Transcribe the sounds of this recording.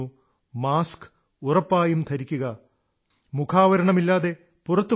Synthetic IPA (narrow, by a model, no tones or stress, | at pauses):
u | maːsk | urɐpːaːjumt̪ʰɐɾikʲːuɣɐ | mukʰaːʋɐɾɐɳɐmilːaːðe̞ | purɐt̪ːu